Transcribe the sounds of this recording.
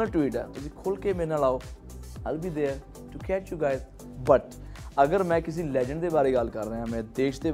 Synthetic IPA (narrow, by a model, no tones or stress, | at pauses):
əʈwiːʈɛ̰ːt̪ʊsĩːkʰolkeːmẽnaːlaːoː | əlbiːd̪eː | ʈukʰɛːt͡ʃjuːɡaːɪz | bəʈ | əɡəɾmɛ̃ːkɪs̬ĩːlɛːd͡ʒəɳɖd̪eːbaːɾeːɡəlkəɾːəãːmɛ̃ːd̪eːʃd̪eː